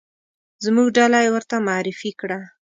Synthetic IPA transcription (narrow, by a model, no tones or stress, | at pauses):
zmuɡɖalajewəɾt̪amaɾɪfikɽa